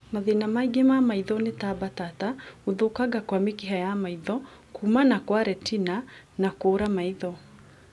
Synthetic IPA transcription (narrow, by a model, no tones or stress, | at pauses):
maðinamaiɡemamaiðɔnetabatatauðokaɡakwamikiɦajamaiðɔ | kʰumanakwaɾɛtina | nakoɾamaiðɔ